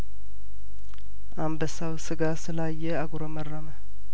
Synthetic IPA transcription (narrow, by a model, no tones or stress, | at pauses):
ʔambəsawsɨɡasɨlajːɛaɡuɾomərːamə